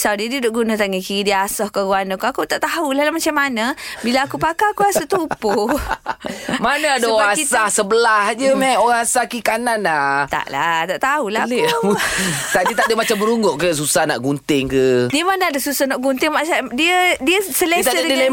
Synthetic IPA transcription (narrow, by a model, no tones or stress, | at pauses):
sawdiədiədoʔɡunat̪aʔŋəkiidiəasɔhkaɡuanəkuakut̪aʔt̪aɦulahlahmat͡ʃamːanəbilaːkupakakuasɔt̪upu | manaadaakisahsəbəlahd͡ʒəmaoɣaŋasakikananat̪a̰ʔla̰t̪aʔt̪aula | t̪aʔdiət̪adəmat͡ʃambəɾuŋɡʊʔkəs̬usahna̰ʔɡunt̪ɪŋkədiəmanaadasusahnaʔɡunt̪ɪŋmasadiədiəsəlet̪adəia